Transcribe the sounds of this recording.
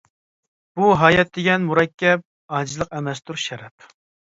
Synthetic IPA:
b̥uɦɑːjɛt̪̚d̪ɪɡʲɛnmuɾɛkʲːɛp̚ | ɑːd͡ʒzlˠəqɛmɛst̪ʰuɾʃɛɾɛp

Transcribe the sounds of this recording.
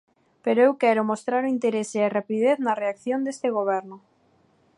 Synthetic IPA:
peɾoewkɛɾʊmost̪ɾaɾʊint̪eɾesearapiðeθnɐreakθjond̪est̪eɣ̞oβ̞ɛɾnʊ

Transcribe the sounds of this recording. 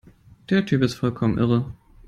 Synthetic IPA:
d̥eːɐtʰyːpɪstfɔlkʰɔmənʔɪʁə

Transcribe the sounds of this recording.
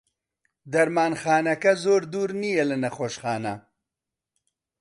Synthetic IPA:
d̪ɐɾmɑːnxɑːnɐkazoːɾd̪uɾnijelɐnɐχoːʃχɑːna

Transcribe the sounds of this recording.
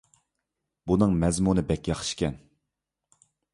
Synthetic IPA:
bunɨŋmɛzmunɨbɛkʲjɑχʃkʲɛn

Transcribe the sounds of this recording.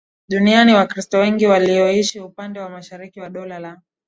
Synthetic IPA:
ɗunianiwakɾistɔwɛŋɡiwaliɔiʃiupandɛwamaʃaɾikiwaɗɔlala

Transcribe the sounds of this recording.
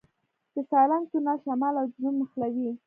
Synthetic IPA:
d̪̥əsɑlant̪unaʃamɑlawznumːəxlawi

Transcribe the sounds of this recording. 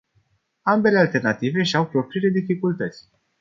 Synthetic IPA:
ambe̞le̞alt̪e̞rnat̪ive̞ʃiawpɾo̞pɾile̞d̪ifikult̪ət̪sʲ

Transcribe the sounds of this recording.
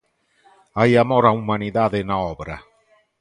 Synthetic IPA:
ajamɔɾaumaniðaðenaɔbɾa̰

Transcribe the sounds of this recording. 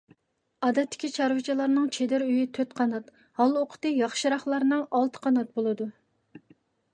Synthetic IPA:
ɑːd̪ɛt̪ːɪ̥kʲit͡ʃʰɑɾwɨt͡ʃʰilˠɑɾnɨŋt͡ʃʰed̪ɪɾyjit̪ʰøt̪qʰɑnɑt̪ | hɑlˠoqʰʊ̥t̪ɨjɑχʃiɾɑχlˠɑɾnɨŋɑlˠt̪ʰə̥qʰɑnɑt̪̚bolˠɨd̪u

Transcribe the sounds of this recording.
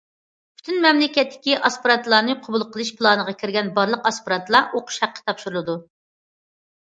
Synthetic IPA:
pʰy̥t̪ʰynmɛmlɪkʲɛt̪ːɪ̥kʲiʔɑspʊɾɑt̪lˠɑːnɨqʰobulˠqʰəlˠɨʃpʰlˠɑnəʁɑkʲʰiɾɡʲɛnbɑɾlˠəqɑspʊɾɑt̪lˠɑʔoqʰʊ̥ʃhæqːə̥t̪ʰɑpʃuɾulˠɨd̪u

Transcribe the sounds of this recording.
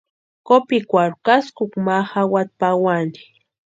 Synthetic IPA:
kopikʷaɾʊkaskʊkmaxawat̪̚pawani̥

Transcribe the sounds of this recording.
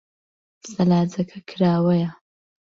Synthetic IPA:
sɐlaːzɐkʰɐkʰɨɾaːwɐjɐ

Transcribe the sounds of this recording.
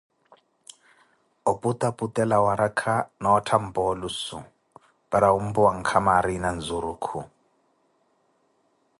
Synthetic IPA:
ɔpʼut̪ʼapʼutʼɛlawaɾakʰanaɔtʰam̩bɔlusu | baɾaum̩buwaŋ̩kʰamaɾinand͡zuɾukʰu

